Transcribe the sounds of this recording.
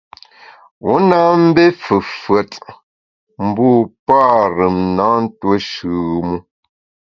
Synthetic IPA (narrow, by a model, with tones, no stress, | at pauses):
wu˨˦na˦m̩˦be˦fə˨fə˨t | m̩˨buː˦˨pa˦ɾə˨mna˨˦n̩˦twə˦ʃʉ˨ɣmu˦